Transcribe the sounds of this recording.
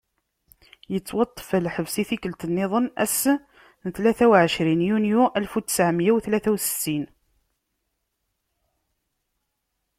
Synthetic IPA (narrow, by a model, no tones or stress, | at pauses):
jət͡sːwɑt̪ˤːə̥fəlħəvsiθikəlt̪ənːɪðˤənæ̰s | nθlæθæwʕəʃɾinjunjuʔælfut̪ːə̥sʕəmjæwθlæθæwsə̥t̪ːin